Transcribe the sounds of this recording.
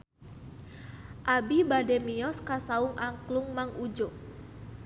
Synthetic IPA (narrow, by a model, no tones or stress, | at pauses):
ʔabibadɛmiɔskasauŋʔaŋkluŋmaŋud͡ʒo